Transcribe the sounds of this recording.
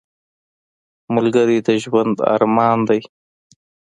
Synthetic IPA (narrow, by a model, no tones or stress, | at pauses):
mʊlɡaɾid̪əʒwand̪a̰ɾmɑːnd̪aj